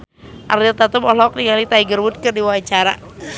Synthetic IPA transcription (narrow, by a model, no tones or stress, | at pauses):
ʔarit̪at̪əmɔlɔk̚niŋalit̪aiɡərwut̪̚kɨrdiwaat͡ʃaɾa